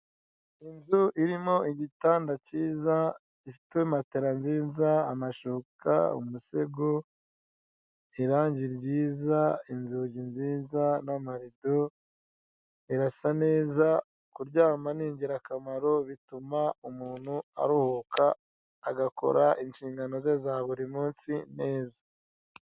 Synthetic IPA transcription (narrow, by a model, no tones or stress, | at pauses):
inzuʔiɾimo̞iɟitaːndaciːza | ifitwemateɾanziːzaamaʃukʰa̰ṵmuse̞ɡo | iɾaːɲɟiɾɟiːzainzuɟinziːzanamaɾido̞ | iɾasane̞ːza | kuɾɟaːmaniːɲɟiɾakamaɾo̞βitumaumuːn̥hua̰ɾuhukʰaː | ɡako̞̰ɾaʔinʃiːŋɡano̞zezaːβuɾimuːnsine̞ːzḁ